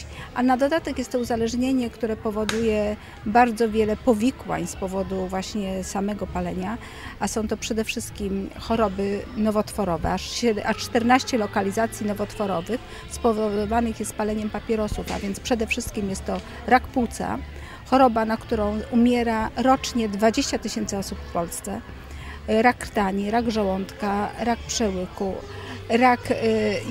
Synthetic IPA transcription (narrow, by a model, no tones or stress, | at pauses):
ʔanad̪ɔd̪at̪ɛkjɛst̪ːɔuzalɛʐɲeɲɛkt̪uɾɛpɔvɔd̪ujɛ | baɾd̪zɔvʲjɛlɛpɔvʲikwa̰ɲspɔvɔd̪uvwaɕɲɛsamɛɡɔpalɛɲa | ʔasɔ̃w̃t̪ɔpʂɛd̪ɛfʂɘst̪̚kʲimxɔɾɔbɘnɔvɔt̪fɔɾɔvɛ̰aɛʔat͡ʂt̪ɛɾnaɕt͡ɕɛlɔkalʲizat̪sʲjinɔvɔt̪fɔɾɔvɘx | spɔvɔvɔd̪ɔvanɘxjɛst̪palɛɲɛmpapʲjɛɾɔsufa̰vʲjɛnt̪spʂɛd̪ɛfʂɘst̪̚kʲimjɛst̪ːɔ | ɾakput̪sa̰ | xɔɾɔbanakt̪uɾɔ̃w̃umʲjɛɾaɾɔt͡ʂɲɛd̪vad͡ʑeɕt͡ɕat̪ɘɕɛnt̪sɨɔsupfpɔlst̪sɛ | ɾakːɾt̪aɲiɾaɡʐawɔnt̪kaɾak̚pʂɛwɘkuɾak